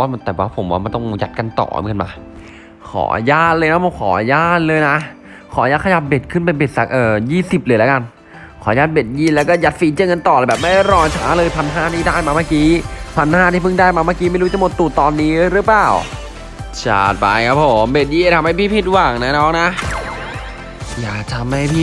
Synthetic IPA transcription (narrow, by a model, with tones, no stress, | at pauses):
waː˥˩m˧˩t̪ɛː˨˩waː˧˩pʰo˩˦mwaː˧˩ma˧nt̪ɔ˥˩ŋja˨˩t̪̚ka˧nt̪ɔ̰ː˨˩ŋɤ˧nma̰ː˧˩ | kʰɔ̰ː˩˦jaː˥˩t̪̚lɤː˧jna˦˥mʰɔː˧˩kʰɔ̰ː˨˩˦jaː˥˩t̪̚lɤː˧jna˦˥ | kʰɔː˨˩˦jaː˧˩kʰa˧ja˨˩p̚be˨˩t̪̚kʰɯ˥˩np̬a˧jbe˨˩t̪̚sa̰˨˩k̚ʔɤː˨˩jiː˥˩si˨˩p̚lɤː˧jla˦˥ka˧n | kʰɔː˨˩˦jaː˥˩t̪̚be˨˩t̪̚jiː˥˩lɛ˦˥wkɔː˥˩ja˨˩t̪̚fiː˨˦t͡ɕːŋ˧nt̪ɔː˨˩lːbɛː˨˩p̚ma˥˩da˥˩jɾɔː˧t͡ɕʰaː˦˥lɤː˧jp̪ʰa˧nɦaː˥˩t̪ʰiː˥˩daː˥˩jmaː˧maː˥˩kiː˦˥t̪ʰa˧nhaː˥˩t̪ʰiː˥˩pʰɯ˥˩ŋdaː˥˩jmaː˧maː˥˩ki˦ma˥˩jɾu˦˥t͡ɕa˨˩mo˨˩t̪ːuː˨˩t̪ɔː˧nːiː˦˥˧ɾɯ˦˥plaː˨˩w | t͡ɕʰa̰˧˩t̪̚pa̰˧jkʰa˦˥pʰːo˩˦mbe˨˩t̪̚jiː˧˩ʔe˧˩t̪ʰa˧mha˥˩jpʰiː˥˩pʰi˦˧˩t̪̚waː˨˩ŋna˦˥nɔː˦˥k̚na˦˥ʔ | ja̰ː˨˩k̚t̪ʰa˧mha˥˩jpʰiː˥˩